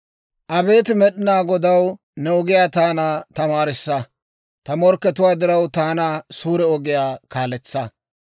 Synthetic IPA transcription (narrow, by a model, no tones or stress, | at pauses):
ʔɐbe̞ːt̪ɪmɛɗɪnaːɡɔd̪ɐw | nɛɔɡɪjaːt̪aːnaːt̪ɐmaːɾɪsːɐ | t̪ɐmɔɾkːɛt̪ʊwaːd̪ɪɾɐwt̪aːnasuːɾɛɔɡɪjaːkaːlɛt͡sːɐ